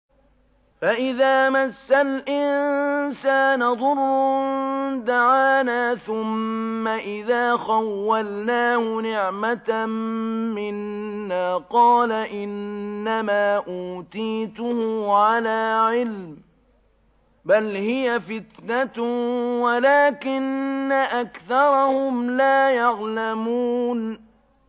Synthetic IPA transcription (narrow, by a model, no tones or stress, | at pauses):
faʔɪðaːmasːalʔɪnsaːnaðˤʊrːʊ | d̪aʕaːnaːθʊmːaʔɪðaːxawːalnaːhʊnɪʕmat̪ː | ɪnːaːqɑːlaʔɪnːamaːʔuːt̪iːt̪ʊhʊʕalaːʕɪlm | balhɪjafɪt̪nat̪walaːkɪnːaʔakθɑɾˤɑhʊmlaːjɑʕlamuːn